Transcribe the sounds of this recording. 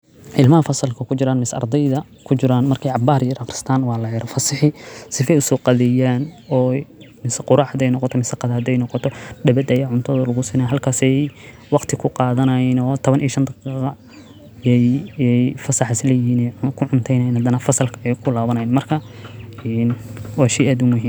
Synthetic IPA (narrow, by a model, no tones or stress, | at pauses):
ʕɪlmɐhɐfɐsɐlkʰɐkʰʊt͡ʃɪɾaːnmɪsɐ̰rd̪ɛjðɐ | kʰʊt͡ʃɪɾaːnmɐrkʰɛjʕɑbaːɾjɛɾɐqɾɪ̥st̪ʰaːnwɑːlɐjɾɔfɐsɪħɪsɪfɛjʊsɔːqɑðɛjaːnɔːmɪsɐqʊɾɑːħd̪ɛjnɔqɔt̪ʰɔmɪsɐqɑðaːd̪ɛjnɔqɔt̪ʰɔdɐβɐd̪ɐjaːʕʊnt̪ʰɐðɐlɐɣʊsɪːnɛɦɐlkʰaːsɛj | wɑqt̪ʰɪkʰʊqɑːðɐnɐinɔːt̪ʰɔβɐnʔijʃɐnd̪ɐqiqɑ | ɛjɛjfɐsɐħɪslɛːjɦiːnɛkʰʊʕʊnt̪ʰɛjnɐjɪːnhɐd̪ɐnɐfɐsɐlkʰɐɛjkʰʊlaːβɐnɐjiːnmɐrkʰɐɛnwɑːʃɛjʔaːd̪ʊmʊɦiːm